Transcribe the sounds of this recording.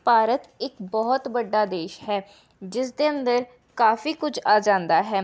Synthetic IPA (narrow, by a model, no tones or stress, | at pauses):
paːɾət̪ɪkbɔːɔt̪bəɖːaːd̪eːʃɦɛː | d͡ʒɪsd̪eːə̃nd̪əɾ | kaːfiːkʊd͡ʒʰaːd͡ʒãːnd̪aːɦɛː